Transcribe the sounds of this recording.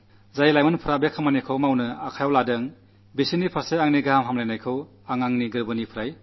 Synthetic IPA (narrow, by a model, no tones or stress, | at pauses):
zajlajmɯnpʰɯɾabekʰɯmanikʰɯwmawnɯakʰajawladɐŋ | bisinipʰaseaŋniɡamɦamlajnajkʰɯw | aŋaŋniɡɯɾbɯnipʰɯɾaj